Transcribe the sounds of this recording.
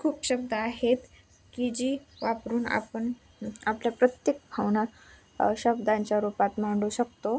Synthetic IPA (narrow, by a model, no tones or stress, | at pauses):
kʰuːpɕəbd̪əaɦet̪ | kid͡ʑiʋapɾuːna̰pəɳ | apljapɾət̪jek̚bʱawna | ɕəbd̪ãɲt͡ɕjaɾupat̪m̤aɳɖuɕək̚t̪o